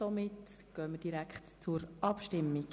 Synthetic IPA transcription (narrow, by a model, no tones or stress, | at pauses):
omɪtɡ̥œːməd̥iɾækχtt͡sʊɾʔɑpʃtɪmːiɡ